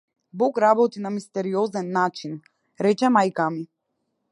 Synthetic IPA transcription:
bɔkɾabɔt̪inamist̪ɛɾiɔzɛnːat͡ʃin | ɾɛt͡ʃɛmajkami

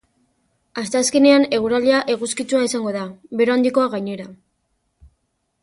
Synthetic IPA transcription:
ast̪easke̞neane̞ɣ̞uɾaliaʔe̞ɣuskit͡suaisaŋɡo̞ðaβe̞ɾo̞and̪iko̞aɣajɲe̞ɾa

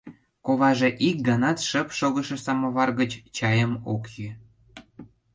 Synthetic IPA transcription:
koβɑʒĕʔik̚ɡɑnɑt̪ʃəpʃoɣə̆ʃĕsɑmoβɑrɣət͡ɕt͡ɕɑjəmokji

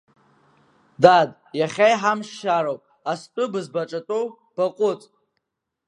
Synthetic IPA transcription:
dadʼ | jaχʲajħamʂʃaɾowpʼ | astʷʼʊbɨzbaʈ͡ʂʼatʼo | b̥aqʷʼʊt͡sʼ

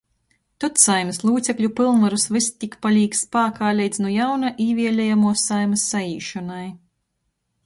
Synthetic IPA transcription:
t̪ut̪sajmɨslˠuːt̪sʲɛklʲupɨlˠnvaɾusvɨst̪ʲikpalʲiːkspaːkaːlʲɛjd̪zʲnujawnaʔiːvʲiɛlʲɛjamuɔsajmɨsːaiːʃɔnaj

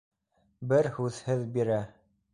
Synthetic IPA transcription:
bɘɾhʉðhɘðbiɾæ

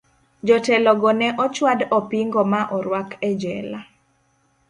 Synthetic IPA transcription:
d͡ʒɔtɛlɔɡɔnɛʔɔt͡ʃwadɔpiŋɡɔmaʔɔɾwakɛd͡ʒɛla

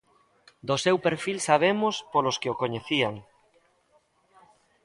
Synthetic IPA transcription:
d̪osewpeɾfilsaβ̞emospoloskeokoɲeθiaŋ

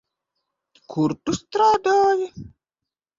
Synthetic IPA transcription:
kʰuɾtust̪ɾɔːd̪ɔːji

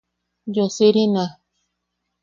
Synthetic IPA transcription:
josiɾina

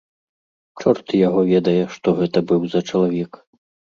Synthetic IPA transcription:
t͡ʂɔrt̪ɨjaɣɔvʲɛd̪ɐjɛʂt̪ɔɣɛt̪ɐbɨwzɐt͡ʂɐlˠavʲɛk

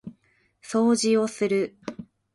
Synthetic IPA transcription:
so̞ːʑio̞sɨɾɯ̟

